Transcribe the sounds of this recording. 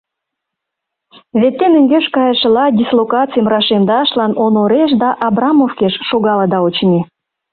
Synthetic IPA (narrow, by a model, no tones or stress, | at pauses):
βet̪ːenə̆ŋɡʲeʃkɑjəʃəlɑdʲislˠokɑt͡sijmɾɑʃemd̪ɑʃlɑnonoɾeʃ̬d̪ɑʔɑbrɑmofkeʃʃoɣɑləd̪ɑot͡ɕni